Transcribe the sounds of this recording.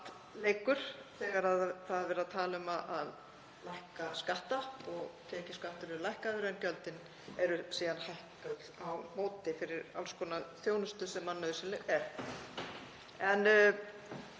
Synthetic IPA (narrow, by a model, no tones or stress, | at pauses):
t̪ | leːjkʏɾ̥θɛːɣaɾaðθaðavɛːɾaðt̪ʰaːlʏmaðað | lajhkaskaht̪apɔɣt̪ʰɛːcɪskaht̪ʏɾɪɾlajhkaðʏɾɛncœlt̪ɪn | ɛɾʏsiːðanhajhkat̪awmoːwt̪ɪfɪɾɪɾa̰lskɔːnaθjoːwnʏst̪ʏsɛmːanːœðʏsɪnlɛɣɛɾ̥ | ɛn